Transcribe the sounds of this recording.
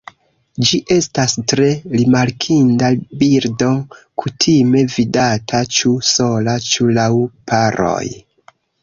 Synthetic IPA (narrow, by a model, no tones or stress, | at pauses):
d͡ʒiʔe̞stastɾe̞ɾimaɾkʰindabiɾdo̞ | kʰutʰime̞vidatʰat͡ʃuso̞lat͡ʃulawpaɾo̞̰j